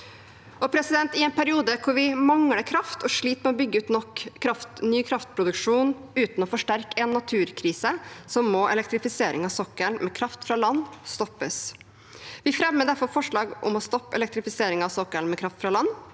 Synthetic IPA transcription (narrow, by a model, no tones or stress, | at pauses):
ɔpʰɾɛsɪd̪ɛnt̪ɪɛnpʰæɾɪuːd̪əkʰʊɾʋɪmɑŋɽəkʰɾɑft̪ʰɔʂɭiːt̪mɛɔbʏɡːəʉːt̪nɔkʰːɾɑft̪nyːkʰɾɑft̪̚pʰɾʊd̪ʉkʂuːn | ʉːt̪n̩ɔfɔʂʈæɾkɛnːɑt̪ʰʉːɾkʰɾiːsəsɔmːoːʔɛ̰lɛkt̪ɾɪfɪseːɾɪŋɑsɔkːəlmɛkʰɾɑft̪fɾɑlɑnːst̪ɔpːəs | ʋɪfɾɛmːəd̪æɾfɔɾfɔʂɭɑːɡʔʊ̰mɔst̪ɔpːɛ̰lɛk̚t̪ɾɪfɪseːɾɪŋɑʋsɔkːəlnmɛkʰɾɑft̪fɾɑlɑnː